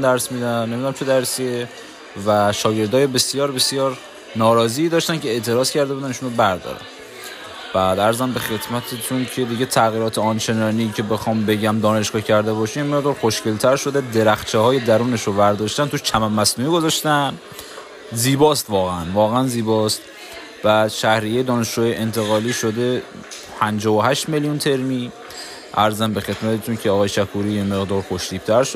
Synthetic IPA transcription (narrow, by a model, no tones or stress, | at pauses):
nd̪æɾsmiːd̪ænːemid̪unæmt͡ʃʰe̞d̪æɾsie | væʃɒːɟe̞ɾd̪ɒːjebe̞sjɒːɾbe̞sjɒːɾ | nɒːɾɒːziːd̪ɒːʃt̪æncʰeeʔt̪ʰe̞ɾɒːz̥cʰæɾd̪eud̪æniːʃunɾobæɾd̪ɒ̰ɾæ̰n | b̥æd̪æɾzæmbexe̞t̪ʰmæt̪ʰet̪ʰuncʰe̞d̪iɟe̞t̪ʰæɣiːɾɒːt̪ʰeɒnt͡ʃʰe̞nɒːniːcʰe̞be̞xɒːmbe̞ɟæmd̪ɒːneʃɡɒːcʰæɾd̪e̞bɒːʃiːmemːeɣd̪ɒːɾxoʃce̞lt̪ʰæɾʃo̞d̪e̞d̪e̞ɾæxt͡ʃʰehɒːje̞d̪æɾuːneʃovæɾd̪ɒːʃt̪ænt̪uʃt͡ʃʰæmæmːæsnuːiɡozɒʃt̪æn | ziːbɒːst̪vɒːɣeænvɒːɣeænziːbɒːst̪ | væʃæhɾijejed̪ɒːneʃd͡ʒuːjeʔent̪ʰe̞ɣɒːliːʃod̪e̞ | pʰænd͡ʒɒːvoɦæʃt̪me̞ljunt̪ʰe̞ɾmiː | ʔæɾzæmbe̞xe̞d̪mæt̪ʰet̪ʰuncʰeɒːɣɒːjeʃækʰuɾiːjeme̞ɣd̪ɒːɾxoʃd̪iːb̥̚t̪ʰæɾʃo